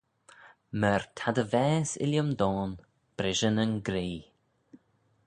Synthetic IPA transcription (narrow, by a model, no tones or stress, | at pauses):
məɹt̪ʰad̪əvɛːsɪ̰ljəmd̪ɔːn | b̥ɾɪʒənənɡɾiː